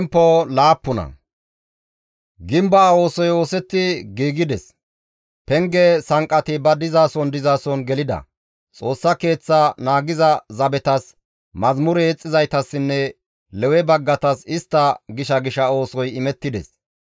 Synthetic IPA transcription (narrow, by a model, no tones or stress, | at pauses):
mpːɔlaːpːʊnɐ̰ | ɡɪmbɐːo̞ːsɔjo̞ːsɛt̪ːɪɡiːɡɪd̪ɛs | pɛŋɡɛsɐŋkʼːɐt̪ɪbɐd̪ɪzaːsɔnd̪ɪzaːsɔnɡɛlɪd̪ɐ̰ | t͡sʼo̞ːsːɐke̞ːt͡sːɐnaːɡɪzɐzɐbɛt̪ɐs | mɐzmʊɾɛːt͡sʼːɪzɐjt̪ɐsːɪnːɛ | lɛwɛbɐɡːɐt̪ɐsɪst̪ːɐɡɪʃɐɡɪʃɐo̞ːsɔjɪmɛt̪ːɪd̪ɛ̰s